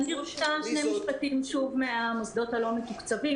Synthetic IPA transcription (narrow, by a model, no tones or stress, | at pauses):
nioʃtaʃne̞miʃpatimʃuvmeamosd̪o̞thalo̞metukt͡savi